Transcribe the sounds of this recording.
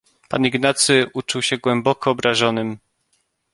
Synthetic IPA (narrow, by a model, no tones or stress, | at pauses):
pa̰niɡnat̪sɘʔut͡ʂuwɕɛɡwɛmbɔkɔːbɾaʐɔnɘm